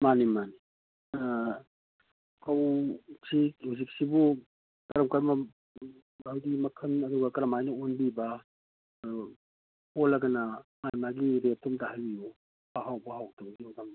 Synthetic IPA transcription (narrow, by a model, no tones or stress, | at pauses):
manimani | kawsihuzik̚sibu | kɐɾɐmkɐɾmɐ | awdimɐkʰɐnɐduɡɐkɐɾɐmajnɐonbiba | holaɡɐnamajmaɡiɾetʰːumtaɦajiju | hawɦawbaɦawtʰabɐɡiɔtam